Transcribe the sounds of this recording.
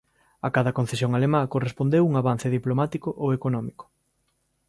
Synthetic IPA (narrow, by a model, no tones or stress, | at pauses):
akaðɐkon̟θesjoŋalemakorespond̪ewuŋaβan̟θeðiplomat̪ikʊʔowekonɔmikʊ̥